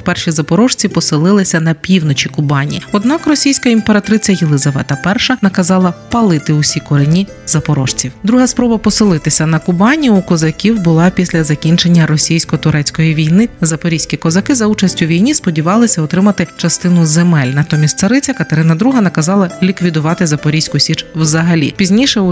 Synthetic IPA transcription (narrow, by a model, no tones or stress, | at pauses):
pɛrʃʲizɐpɔɾɔʃt͡sʲipɔsɪlˠɪlˠɪsʲɐnɐpʲiwnɔt͡ʃʲikʊbɑnʲḭiɔd̪nɑkrɔsʲijsʲkɐimpeɾɐt̪ɾɪt͡sʲjɐjelˠɪzɐʋɛ̰t̪ɐpɛrʃɐnɐkɐzɑlˠɐpɐlˠɪt̪ɪʊsʲikɔɾenʲi | zɐpɔɾɔ̰ʃt͡sʲiwd̪ɾuɦɐspɾɔbɐpɔsɪlˠɪt̪ɪsʲɐnɐkʊbɑnʲiukɔzɐkʲiwbʊlˠɑpʲisʲlʲɐzɐkʲinʲt͡ʃe̞nʲːɐɾɔsʲijsʲkɔt̪ʊɾɛt͡sʲkɔjiʋʲijnɪzɐpɔɾʲijsʲkʲikɔzɐkɪzɐut͡ʃɐsʲtʲʊʋʲijnʲispɔdʲiʋɑlˠɪsʲɐɔt̪ɾɪmɐt̪ɪt͡ʃɐst̪ɪnʊzemɛlʲnɐt̪ɔmʲisʲt̪ʲsɐɾɪt͡sʲɐkɐt̪eɾɪnɐd̪ɾuɦɐnɐkɐzɑlˠɐlʲikʋʲid̪ʊʋɑt̪ɪzɐpɔɾʲijsʲkʊsʲit͡ʃwzɐɦɐlʲḭpʲizʲnʲiʃɛu